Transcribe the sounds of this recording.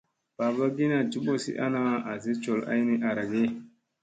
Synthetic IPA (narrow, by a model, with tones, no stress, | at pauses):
ba˨ba˦ɡi˦na˨d͡ʒi˦bo˦sḭ˦ʔa̰˦na˦a˨zi˦t͡ʃo˨la̰˦jni˦ʔa˨ɾa˨ɡe˦